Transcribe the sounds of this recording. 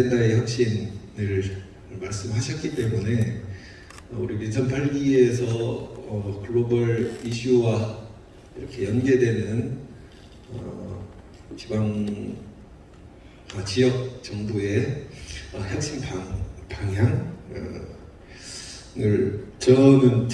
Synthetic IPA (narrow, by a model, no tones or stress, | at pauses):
etaeçjʌk̚ɕ͈inɯɭ | maɭs͈ɯmɭɦaɕʰʌt̚k͈it͈e̞mune̞ | ʌuɾimit͡ɕʰʌnpʰaɭɡie̞sʰʌʌkɯɭːobʌɾiɕʰuwa | iɾʌkʰe̞jʌnɡe̞dwe̞nɯn | ʌ | t͡ɕibaŋ | ʌt͡ɕijʌk̚t͡ɕʌŋboe̞ | ʌçjʌk̚ɕ͈inpaŋpaŋɦjaŋʌ | ɯɭt͡ɕʌɡɯn